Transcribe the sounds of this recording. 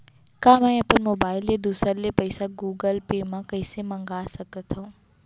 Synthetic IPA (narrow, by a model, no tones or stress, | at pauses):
kãːmɛ̃ɐpənmoːbaːɪlːed̪uːsəɾlepɐɪsaɡuːɡəlpeːmãkɐɪsemɐ̃ŋɡaːsɐkət̪ʰaũ